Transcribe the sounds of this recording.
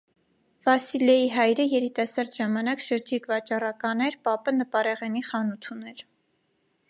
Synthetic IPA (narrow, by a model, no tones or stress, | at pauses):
vɑsilɛjiɦɑjɾəjɛɾit̪ɑsɑɾd̪ʒɑmɑnɑkʃəɾd͡ʒik̪vɑt͡ʃɑrɑkɑnɛɾpɑpənəpɑɾɛʁɛniχɑnut̪ʰunɛɾ